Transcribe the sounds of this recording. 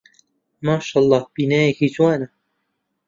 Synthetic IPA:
mɑːʃɑlˠˤːɑːhb̥iːnaːjɛkiːt͡ʃwɑːna

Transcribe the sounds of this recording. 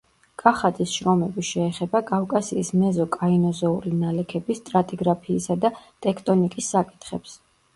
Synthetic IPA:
kʼaχad̪isʃɾɔmɛbiʃɛːχɛbakʼafkʼasiːsmɛzɔkʼainɔzɔuɾinalɛkʰɛbist̪ʼɾat̪ʼiɡɾapʰiːsad̪at̪ʼɛkʰt̪ʼɔnikʼisːakʼi̥t̪ʰχɛps

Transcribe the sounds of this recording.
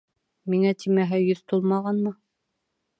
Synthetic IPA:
miŋæt̪ʰimæɦɘjɵðt̪ulˠmɑʁɑnmɤ

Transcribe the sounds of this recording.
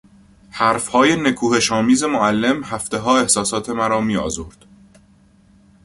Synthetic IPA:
hæɾfhɒːje̞ne̞kʰuːhe̞ʃɒːmiːze̞moælːe̞mhæft̪e̞ɦɒːe̞hsɒːsɒːt̪ʰe̞mæɾɒːmiːɒ̰ːzoɾd̪̥

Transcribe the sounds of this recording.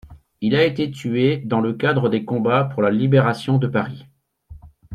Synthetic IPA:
ilaet̪et̪yed̪ɑ̃ləkad̪ʁəd̪ekɔ̃bapuʁlalibeʁasjɔ̃d̪əpaʁi

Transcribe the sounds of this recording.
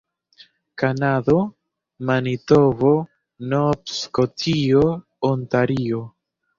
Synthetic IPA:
kanado | manitovo | nopskotʰio | ontaɾio

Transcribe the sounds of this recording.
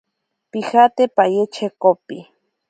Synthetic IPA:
pixat̪epajet͡ʃʰekopi

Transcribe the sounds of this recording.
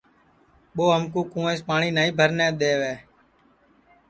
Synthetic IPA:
ɓoːɦəmkũːkũːẽːspaːɳiːnaːĩːbʱəɾnɛ̃ːɗ̪eːʋeː

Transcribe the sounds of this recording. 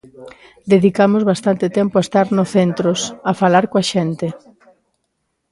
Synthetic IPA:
d̪eðikamʊzβast̪ant̪ɪt̪ɛmpoaest̪aɾnoθent̪ɾosafalaɾkoaʃent̪ɪ

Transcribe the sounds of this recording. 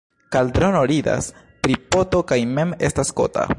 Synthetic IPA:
kaldɾo̞noɾida̰s | pɾipo̞to̞kajme̞me̞stasko̞̰ta̰

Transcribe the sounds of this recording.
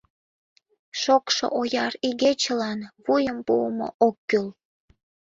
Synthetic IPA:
ʃokʃo̰ʔojɑɾiɣet͡ɕəlɑnβujəmpuəmo̰ʔokːyl

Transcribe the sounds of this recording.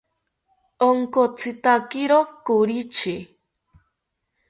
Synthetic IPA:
oŋkot͡sʰɨt̪akiɾokuɾit͡ʃʰi

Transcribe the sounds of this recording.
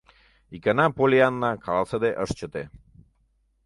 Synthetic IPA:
ikənapolʲianːakʰalasəd̪eʔəʂt͡ʃət̪e

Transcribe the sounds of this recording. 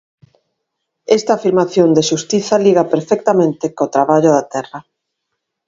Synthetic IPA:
ɛst̪aːfiɾmaθjond̪eʃust̪iθɐliɣapeɾfɛk̚t̪amẽnt̪ekot̪ɾaβaʎʊðat̪ɛrɐ

